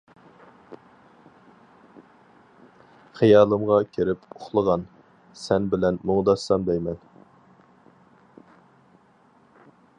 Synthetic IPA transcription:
χijɑːlˠəmʁɑkʲʰeɾɪpoχlˠəʁɑn | sɛnbɪlɛnmoŋd̪ɑsːɑmb̪ɛjmɛn

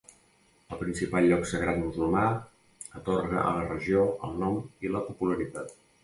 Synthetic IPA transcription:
əlˠpɾinsipalˠʎːɔksəɣɾat̪muzulˠma | ət̪oɾɣə̰ʔə̰lərəʒioə̰lˠnɔmiləpupuləɾit̪at̪̚

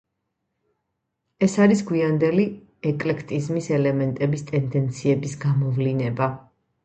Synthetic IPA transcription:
ɛsaɾisɡwiand̪ɛli | ɛkʼlɛkʰt̪ʼizmisɛlɛmɛnt̪ʼɛbist̪ʼɛnd̪ɛnt̪sʰiɛbisɡamɔvlinɛba

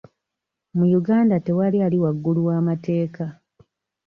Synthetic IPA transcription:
mujuɡaːndate̞walialiwaɡːuluwaːmate̞ːka

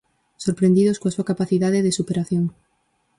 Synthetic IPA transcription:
soɾpɾẽnd̪iðoskoasuakapaθiðaðɪðɪsupeɾaθjoŋ

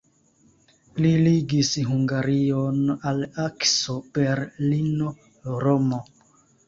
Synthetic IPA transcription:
liliɡisɦuŋɡaɾionalaksopeɾlino | ɾomo

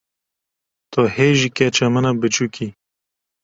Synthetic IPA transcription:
t̪oheʒikɛt͡ʃɐmənabɨt͡ʃuki

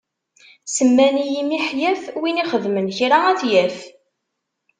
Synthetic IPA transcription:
səmːænijimiħjæfwiniχəðmənçɾaæθjæf

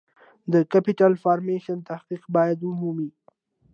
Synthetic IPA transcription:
d̪əkapɪʈalfɑːɾmeʃant̪ahqiqbɑjad̪ʊmumi

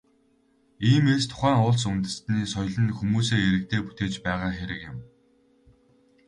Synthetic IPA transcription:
iːmest̪ʰʊ̥χæːŋʊːɮsunt̪ɘ̆st̪niːsɔjɮə̆nxumuːseːeɾɘ̆k̚t̪ʰeːpu̥t̪eːt͡ɕpæːʁaːxeɾɘ̆kjɪ̆m

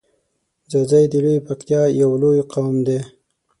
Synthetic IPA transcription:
zəzajd̪iɽipakt̪jɑjawlojqawmd̪e

